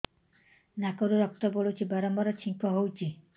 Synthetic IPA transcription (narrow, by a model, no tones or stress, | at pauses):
nakɔɾuɾɔk̚t̪ɔboɭut͡ʃʰibaɾɔmbɔɾɔt͡ʃʰiŋkɔɦowt͡ʃʰi